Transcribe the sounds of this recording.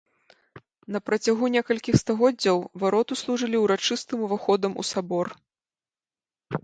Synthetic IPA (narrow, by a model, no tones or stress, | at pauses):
nɐpɾɐt͡sʲaɣunʲɛkɐlʲkʲixst̪aɣɔd͡zʲːɐwvaɾɔt̪uslˠuʐɨlʲiwɾat͡ʂɨst̪ɨmuvaxɔd̪ɐmṵsabɔr